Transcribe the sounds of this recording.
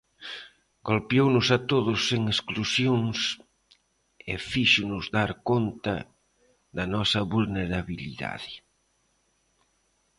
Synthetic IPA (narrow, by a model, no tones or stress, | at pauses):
ɡolpjownʊsat̪oðʊsːeŋesklusjoŋs | efiʃʊnʊzðaɾkont̪ɐ̰ | ðɐnɔsɐβulneɾaβilḭða̰ðɪ